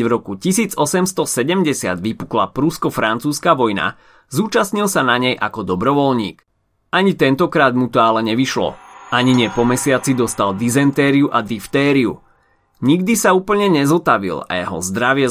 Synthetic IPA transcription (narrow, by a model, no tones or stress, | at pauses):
vɾɔkucisiːd͡zɔsɛmst̪ɔsɛɟɛmɟɛsɪa̰d̪ʋipukla̰pɾuskɔfɾant͡suːskaʋɔjna̰ | zuːt͡ʃasɲilsanaɲɛjʔa̰kɔd̪ɔbɾɔʋɔlɲḭːk | aɲit̪ɛnt̪ɔkɾaːd̪mut̪ɔalɛɲɛʋiʃlɔ̰aɲiɲɪɛpɔmɛsɪat͡sid̪ɔst̪ald̪izɛnt̪ɛːɾiuʔad̪ift̪ɛːɾiu | ɲiɡd̪isauːpl̩ɲɛɲɛzɔt̪aʋḭla̰jɛɦɔ̰zd̪ɾaʋɪɛ